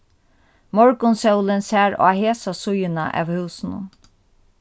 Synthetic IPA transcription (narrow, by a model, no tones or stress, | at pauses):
mɔɹkʊnsœwlɪnsæːɾɔ̰aheːsasʊjɪna̰ʔæ̰ːʋhʉːsnʊ̰n